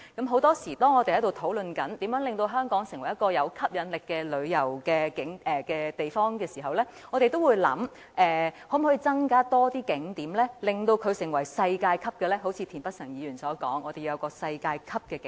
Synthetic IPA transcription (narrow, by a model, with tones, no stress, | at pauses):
kɐ˨˥mɦo˨˥wt̪ɔː˥siː˨˩t̪ɔː˥ŋɔ˨˧t̪e˨jhɐ˨˥jt̪o˨wt̪ʰo˨˥wlɵ˧nkɐ˨˥nt̪iː˨˥mjœː˨˥ŋlɪ˨ŋt̪o˧wɦœː˥ŋkɔː˨˥ŋsɪ˨˩ŋwɐ˨˩jɐ˥t̚kɔː˧jɐ˨˧wkʰɐ˥p̚jɐ˨˧nlɪ˨kːɛː˧lɵ˨˧ɥjɐ˨˩wkɛː˧kɪ˨˥ŋʔɛː˨˩kɛː˧t̪e˨jfɔː˥ŋkɛː˧siː˨˩ɦɐ˨˩wlɛː˥ŋɔː˨˧t̪e˨jt̪o˥wuː˨˧jlɐ̰˨˥m | ʔɛː˨hɔː˨˥m˨hɔː˨˥i˧t͡sɐ˥ŋkaː˥t̪ɔː˥t̪iː˥kɪ˨˥ŋt̪iː˨˥mlɛː˥lɪ˨ŋt̪o˧wkʰɵ˨˧ɥsɪ˨˩ŋwɐ˨˩jsɐ˧jkaː˧jkʰɐ˥p̚kɛː˧lɛː˥ɦo˨˥wt͡sʰiː˨˧t̪ʰiː˨˩npɐ˥t̚sɐ˨˩ŋjiː˨˧ɥyː˨˩nsɔː˨˥kɔ̰ː˨˥ŋɔː˧e˨ju˧jɐ˨˧wkɔː˧sɐ˧jkaː˧jkʰɐ˥p̚kɛː˧k